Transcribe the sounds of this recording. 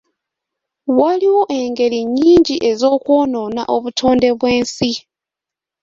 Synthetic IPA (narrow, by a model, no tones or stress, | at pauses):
waliwo̞ʔe̞ŋɡe̞liɲːiːɲɟiʔe̞zo̞ːkwo̞ːno̞ːna̰ʔo̞βutʰo̞ːnde̞βwe̞ːnsi